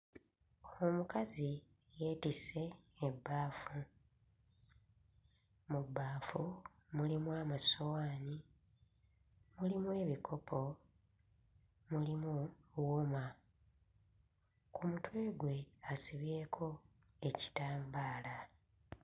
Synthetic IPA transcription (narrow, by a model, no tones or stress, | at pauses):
omukazi | je̞ːtise̞ːbːaːfu | mubːaːfu | mulimwamasowaːni | mulimwe̞ːβikʰo̞pʰo̞ | mulimuwuma | kumutwe̞ːɡwe̞asiβje̞ːkʰo̞ | e̞ci̥taːmbaːla